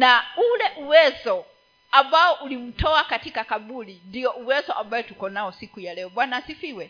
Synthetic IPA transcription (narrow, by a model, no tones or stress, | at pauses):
naulɛʔuwɛzɔ | ambaɔʔulim̩tɔakatikakaɓulindiɔʔuwɛzɔʔambaɛtukɔnaɔsikujalɛɔɓwanaːsifiwɛ